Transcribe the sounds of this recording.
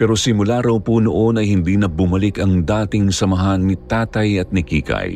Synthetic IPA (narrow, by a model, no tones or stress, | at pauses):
pɛːɾo̞sɪmʊlaɾɐwpunoʔo̞nɐjhɪnd̪iːnɐbʊmɐlɪkɐŋd̪aːt̪ɪŋsɐmɐɦanːit̪aːt̪ɐjɐt̪̚nɪkḭːkɐ̰j